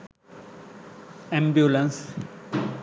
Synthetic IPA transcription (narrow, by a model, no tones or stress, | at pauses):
ɛ̃mbjulə̃ns